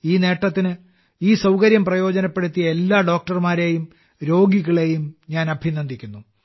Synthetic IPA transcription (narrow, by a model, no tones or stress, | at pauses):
iːne̞ːʈːɐt̪ːinɨ | iːsɐwkɐɾjɐmprɐjo̞ːd͡ʑɐnɐpːeɽut̪ːijɐe̞lːaːɖo̞ːk̚ʈɐrmaːɾe̞ːjum | ɾo̞ːɡiɣɐɭe̞jumɲaːnɐbʱinːɐnd̪ʱikʲːunːu